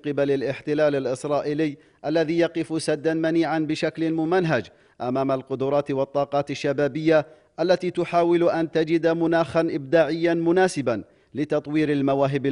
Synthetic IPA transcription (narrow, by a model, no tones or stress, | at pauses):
qɨbalalʔɪħt̪ɪlaːlalʔɪsɾˤɑːʔɪːlɪjː | ʔalːaðiːjɑqɪfsad̪ːanmaniːʕanbɪʃaklɪnmʊmanɦad͡ʒ | ʔamaːmalqʊd̪ʊɾˤɑːt̪wɑt̪ˤːɑːqɑːt̪aʃːabaːbɪjːa | ʔalːat̪iːt̪ʊħaːwɪlʔant̪ad͡ʒɪd̪mʊnaːxanʔɪb̚d̪aːʕɪjːanmʊnaːsɪban | lɪt̪ɑt̪ˤwiːɾalmawaːɦɪbɪ